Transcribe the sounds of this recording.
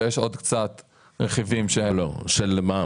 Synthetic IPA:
jeʃo̞d̪kt͡sat̪ | ʁeχivimʃehelo̰ʃelma

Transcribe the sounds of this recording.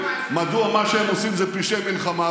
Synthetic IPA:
mad̪uamaʃeemosimzɛpiʃemilχama

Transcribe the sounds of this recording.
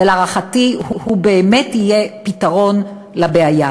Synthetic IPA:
elaʁaχatihuhubeːmethijepitaʁo̞n | labeaja

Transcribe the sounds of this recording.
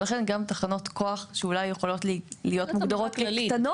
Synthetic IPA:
laχe̞nɡamt̪aχano̞t̪ko̞aχʃeulajːeχolo̞tlilijo̞t̪muɡd̪aʁot̪̚klit̪ano

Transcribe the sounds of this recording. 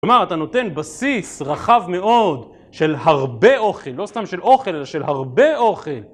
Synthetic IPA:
omaʁat̪ano̞t̪e̞nbasisʁaχavme̞o̞d̪ | ʃe̞lhaʁbe̞o̞χelːo̞st̪amʃe̞lo̞χe̞lelaʃelhaʁbe̞o̞χe̞l

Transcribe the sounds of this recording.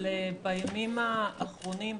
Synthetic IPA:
lebajamimaːχʁonim

